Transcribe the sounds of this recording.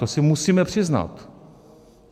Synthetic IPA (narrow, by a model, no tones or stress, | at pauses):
osɪmusiːmɛpr̥ɪzna̰t̪